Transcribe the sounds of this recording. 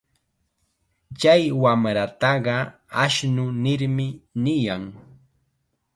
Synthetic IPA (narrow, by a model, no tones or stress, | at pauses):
t͡ʃajwamɾat̪ɑɢɑaʃnʊnɪɾmɪnɪjaŋ